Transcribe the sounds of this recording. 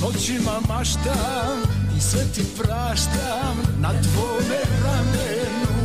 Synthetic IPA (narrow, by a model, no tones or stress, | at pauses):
ɔt͡ʃimamaʃt̪a | misvɛt̪ipɾaʃt̪a | mnat̪vɔmɛt̪amɛ